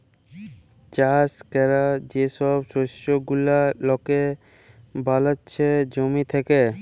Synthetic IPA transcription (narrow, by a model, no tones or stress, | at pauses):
t͡ʃaskɛɾad͡ʑeʃɔbsoʃoɡulalɔke | bʱalətːt͡ʃʰed͡ʑomit̪ʰɛke